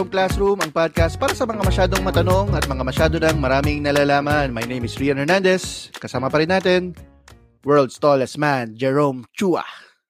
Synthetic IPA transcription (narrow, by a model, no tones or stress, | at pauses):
omklasɾumɐŋpad̪̚kɐst̪̚paːɾɐsɐmɐŋamɐʃaːd̪o̞ŋmɐt̪ɐno̞ŋɐt̪̚mɐŋamɐʃaːd̪onɐŋmɐɾaːmɪŋnɐlaːlaːmɐnmɐjnejmɪsɹiːɐ̃nɛɹnand̪ɛskɐsaːmɐpɐɾɪnːaːt̪ɛn | wɛɹld̪st̪olɛsmand͡ʒɛɹomt͡ʃuɐ̰